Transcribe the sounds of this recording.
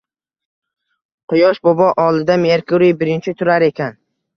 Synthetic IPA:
qʰʊjɒʃbɒbɒʔɒlˠɪd̪ameɾkʊɾɪjbɪɾɪnt͡ʃʰɪt̪ʰʊɾaɾe̞kʲʰan

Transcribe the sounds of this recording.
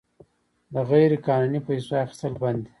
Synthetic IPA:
d̪əɣajɾekɑnunipajsoaxi̥st̪əlband̪i̥

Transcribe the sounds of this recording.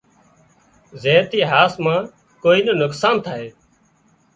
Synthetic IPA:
zeːnt̪iːɦaːsmãː | koːiːnənʊksaːnt̪ʰaːɦeː

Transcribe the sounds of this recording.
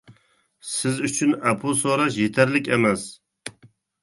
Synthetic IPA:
sɪzyt͡ʃʰynæpʰosoɾɑʃjet̪ʰæɾlɪkʲemɛs

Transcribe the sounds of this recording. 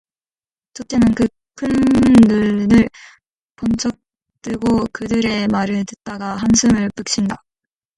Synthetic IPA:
t͡ɕot͈e̞nɯnkɯ | kʰɯnːɯɭnɯɭ | pʌnt͡ɕ͈ʰʌk̚ | t͈ɯɭɡokɯdɯɾe̞maɾɯɭtɯ̥t̚t͈aɡaɦansʰɯmɯɭp͈ɯk̚ɕ͈ʰinda

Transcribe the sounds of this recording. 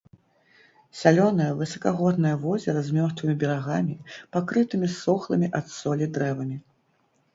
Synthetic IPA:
sʲalʲɔnɐjɐvɨsɐkaɣɔd̪̚nɐjɐvɔzʲɛɾɐzʲmʲɔrt̪vɨmʲibʲɛɾaɣamʲipakɾɨt̪ɨmʲisɔxlˠɐmʲiʔat̪sɔlʲid̪ɾɛvɐmʲi

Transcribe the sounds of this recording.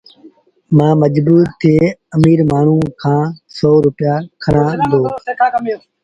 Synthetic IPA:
mãːməd͡ʒbuːɾt̪ʰɪeːəmiːɾmaːɳ̤ũːkʰãːsɔːɾʊpɪjaːkʰəɽãːd̪oː

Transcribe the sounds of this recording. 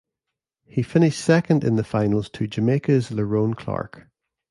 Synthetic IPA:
hifɪ̃nɪʃtsɛkə̃ndɪ̰̃nðəfãɪ̃nəlˠz̥tʰəd͡ʒəmekəzlˠəɹõnkʰl̥a̰ɹk

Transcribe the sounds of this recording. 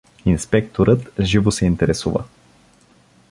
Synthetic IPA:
inspɛk̚t̪oɾʔət̪ʒivosɛint̪ɛɾɛsuvə̰

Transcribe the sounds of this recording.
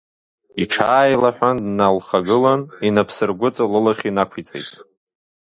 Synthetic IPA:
iʈ͡ʂʰaːjlaħʷᶣandnalχaɡɨlaninapʰsɨrɡʷʊt͡sʼalɨlaχʲinakʷʰit͡sʼḛjtʼ

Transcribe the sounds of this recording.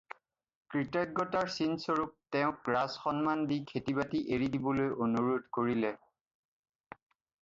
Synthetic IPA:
kɹitɔjɡːɔtaɹsinsoɹup̚tɛʊ̃k̚ɹasxɔnmandikʰetibatiʔeɹidibɔlojʔonuɹodkoɹilɛ

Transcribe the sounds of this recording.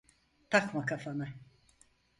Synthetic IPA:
t̪ʰakmakafana

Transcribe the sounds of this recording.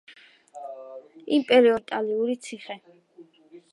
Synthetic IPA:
impʼɛɾiɔt̪ʼaliuɾit̪sʰiχɛ

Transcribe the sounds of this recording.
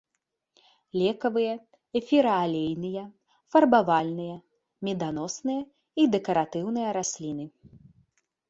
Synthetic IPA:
lʲɛkɐvɨjɐ | ɛfʲiɾɐalʲejnɨjɐ | fɐrbavalʲnɨjɐ | mʲɛd̪anɔsnɨjɐ | id̪ɛkɐɾat̪ɨwnɨjɐɾasʲlʲin̪ɨ

